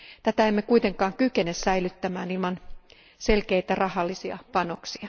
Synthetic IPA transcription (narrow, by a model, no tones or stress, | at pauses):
t̪æt̪æemːekuit̪eŋkɑːŋkykenessæilyt̪ːæmæːnilmɑn | selkeit̪ærɑhɑlːisiɑ̰pɑnoksiɑ